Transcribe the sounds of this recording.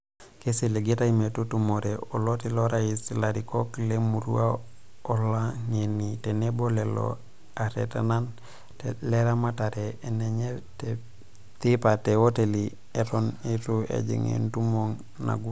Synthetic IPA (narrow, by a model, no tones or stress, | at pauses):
kesileɡetaimetutumoɾeolotiloɾajisilaɾikoklemuɾṵa | olːaɲenitenebolelo̰ | aɾḛtanan | teleɾamataɾeʔːneɲete | tipatewoteli | etonituḛɟḭŋḛntumoŋ | na̰ɡu